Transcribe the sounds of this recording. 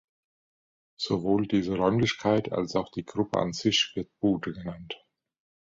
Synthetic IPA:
z̥ovoːldiːzəʁɔʏmlɪçkʰaɪtʰa̰lsaʊxd̥iːɡʁʊpə̰a̰nzɪçv̥ɪɐt̚b̥uːtəɡənant

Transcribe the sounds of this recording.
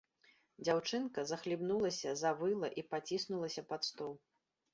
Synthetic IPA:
d͡zʲawt͡ʂɨnkɐzɐxlʲibnulˠɐsʲɐzavɨlˠɐʔipat͡sʲisnulˠɐsʲɐpat̪st̪ɔw

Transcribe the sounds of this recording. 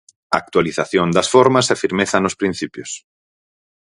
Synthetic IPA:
aak̚t̪waliθaθjond̪ɐsfɔɾmɐsafiɾmeθɐnʊspɾĩn̟θipjʊs

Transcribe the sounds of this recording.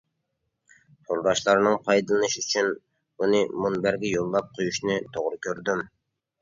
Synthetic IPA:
t̪ʰolˠɾɑʃlˠɑɾnɨŋpʰɑjd̪ɨlˠɨnɨʃiyt͡ʃʰyn | unɨmunbæɾɡʲɛjolˠːɑp̚qʰojuʃnɨt̪ʰoʁɾɨkʲʰøɾd̪ym

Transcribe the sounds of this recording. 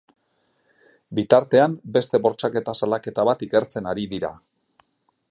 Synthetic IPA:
bit̪aɾt̪e̞ambe̞st̪e̞βo̞ɾt͡ʃake̞t̪asalake̞t̪aβat̪ike̞ɾt͡se̞naɾiðiɾa̰

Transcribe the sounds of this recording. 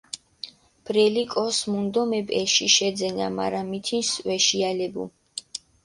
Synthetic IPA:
b̥ɾɛlikʼɔsmund̪ɔmɛbʼɛʃiʃɛd̪zɛna̰ma̰ɾamit̪ʰinswɛʃialɛbṵ

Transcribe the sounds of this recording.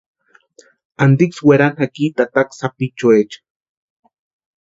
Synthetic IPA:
ant̪iksweɾanhakit̪at̪aksapit͡ʃoet͡ʃ

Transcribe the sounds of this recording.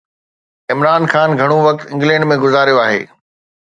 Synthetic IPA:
ɪmɾaːnxaːnɡʱɐɽ̃oʋɐk̚t̪ɪ̃ŋɡlɛ̃ɳɖmẽɡʊzaːɾijoaːɦḛː

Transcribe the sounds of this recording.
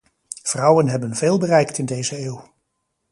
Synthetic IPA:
v̥rʌwənɦɛbənveːlˠbərɛjktɪndejzəeːw

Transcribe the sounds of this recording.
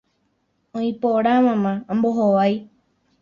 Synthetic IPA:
õĩpoɾamãmããmboɦoʋaj

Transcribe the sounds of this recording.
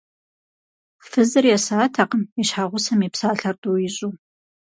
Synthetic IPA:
fɨzɨrjɛsaːtʰaqəmɛɕħaʁʷʊsɐmipsaːɬɐrduːjɪɕʼuː

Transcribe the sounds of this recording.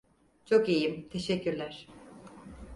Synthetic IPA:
t͡ʃʰo̞kijimt̪ʰe̞ʃɛcːyɾlʲæɾ̥

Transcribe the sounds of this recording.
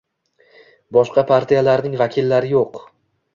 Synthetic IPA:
bɒʃqʰɑpʰaɾt̪ʰijalaɾnɪŋvakʲʰɪlːaɾɪjoq

